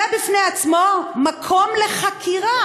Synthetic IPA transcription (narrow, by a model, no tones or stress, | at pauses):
abifneat͡smo̞makʰo̞mle̞χakʰiʁa